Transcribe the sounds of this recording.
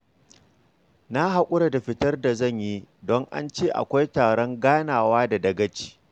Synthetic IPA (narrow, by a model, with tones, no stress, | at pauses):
na˦ɦa˨kʷʼʊ˦ɽa˨da˨ɸɪ˦tɐ˦rda˨zɐ˦˨ɲji˦dɔ˦ŋʔa̰˦nt͡ʃeː˦˨ʔa̰˨kʷa˦jtaː˨ɽɔ˦ŋɡaː˦naː˨waː˦da˨dɐ˨ɡɐ˦t͡ʃi̥ː˨